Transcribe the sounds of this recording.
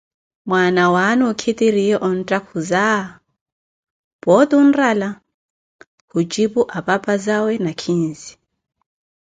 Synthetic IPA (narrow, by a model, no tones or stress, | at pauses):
mwanawanɔkʰitʼiɾiɛʔɔn̩tʼakʰuza | bʼɔt̪ʼun̩rala | hut͡ʃʼipʼuʔapʼapʼazawɛnakʰin̩zi̥